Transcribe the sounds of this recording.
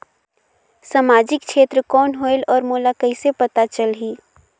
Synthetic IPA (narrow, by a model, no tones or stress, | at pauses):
samaːd͡ʒɪk̚ʃʰeːt̪ɾəkɔːnɦoːɪlɔːɾmoːlakɐisepɐt̪at͡ʃəlɦiː